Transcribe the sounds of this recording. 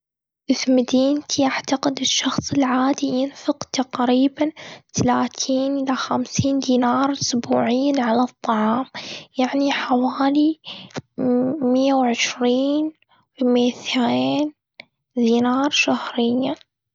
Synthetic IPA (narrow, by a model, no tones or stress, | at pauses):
ʔɪfmad̪iːnt̪ʰiʔaʕt̪aqɪd̪ɪʃːɑxsˤɪlʕaːd̪ijɪnfɪqt̪aqɾiːbant̪alaːt̪ʰiːnʔɪlaxamsiːnd̪iːnɑːɾˤʊsbuːʕɪjːanʕalat̪ˤːɑʕɑːmjaʕniħawaːli | mɪjːawʕɪʃɾiːn | wmeːθeːn | d̪iːnɑːɾˤʃahɾɪjːa